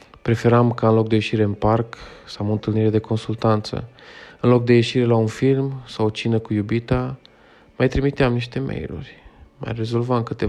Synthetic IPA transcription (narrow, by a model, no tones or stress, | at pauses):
pɾe̞fe̞ɾamkaɨnlo̞k̚d̪e̞je̞ʃiɾe̞ɨnparksawmoɨnt̪ɨlniɾe̞d̪e̞ko̞nsult̪ant̪sə̰ɨnlok̚d̪e̞je̞ʃiɾe̞launfilmsawot͡ʃinəkujubit̪a | majt̪ɾimit̪eamniʃt̪e̞mḛjlṵrʲma̰jre̞zo̞lvamkɨt̪e